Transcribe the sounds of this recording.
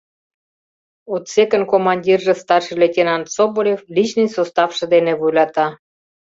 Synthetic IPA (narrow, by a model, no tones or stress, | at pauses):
ot̪sekə̆nkomɑnʲdʲirʒə̆st̪ɑrʃɤlʲetʲenɑnsobolʲeflʲit͡ɕnɨjsost̪ɑfʃɤ̆d̪enĕβujlɑt̪ɑ